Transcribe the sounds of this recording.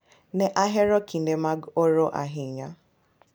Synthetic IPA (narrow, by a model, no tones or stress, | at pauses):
nɛʔaɦeɾɔkʰin̩demaɡoɾoʔa̰ɦɪɲa